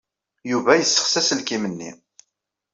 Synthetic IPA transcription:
juvæjəsːə̥χsæsəlkimənːḭ

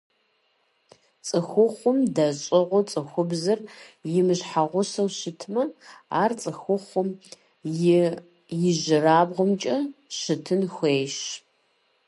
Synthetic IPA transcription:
t͡sʼɨxʷʊχʷʊmdɐɕʼɪʁʷʊt͡sʼɨxʷʊbzɨrjɪmɨɕħaʁʷʊsɐwɕɪtʰmɐa̰ːrt͡sʼɨxʷʊχʷʊm | jɪʑɪraːbʁʊmt͡ʃʼɐɕɨtʰɨnxʷeːjʃ

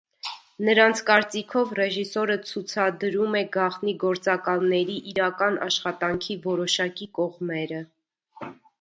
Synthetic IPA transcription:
nəɾɑnt͡sʰkɑɾt͡sikʰɔvrɛʒisɔɾət͡sʰut͡sʰɑd̪ɾumɛɡɑχniɡɔɾt͡sɑkɑlnɛɾiʔiɾɑkɑnʔɑ̰ʃχɑt̪ɑŋkʰivɔɾɔʃɑkikɔʁmɛɾə

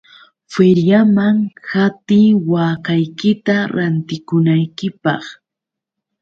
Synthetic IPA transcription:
feɾjamaŋhat̪iːwaːkajkɪt̪aɾant̪ɪkʊnajkɪpɑ̰χ

